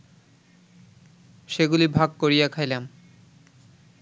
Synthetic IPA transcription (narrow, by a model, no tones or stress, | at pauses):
ʃeɡulibʱaɡ̚koɾijakʰajlem